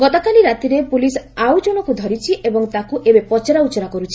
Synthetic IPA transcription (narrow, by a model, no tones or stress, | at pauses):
ɡɔt̪ɔkaliɾat̪iɾepulisawd͡ʒoɽ̃ɔkud̪ʱɔɾit͡ʃʰiʔebɔŋt̪akuʔebepɔt͡ʃɔɾaut͡ʃɔɾakɔɾut͡ʃʰi